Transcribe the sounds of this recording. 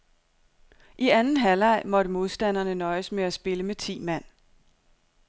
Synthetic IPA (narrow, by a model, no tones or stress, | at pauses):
ʔiænn̩ɦælɑ̈ɪ̰mɒ̽ɾ̥əmo̝ð̞ˠsd̥æn̰ɐnənɒ̽ɪəsmeæsb̥e̝ləmet͡sʰḭːmæn̰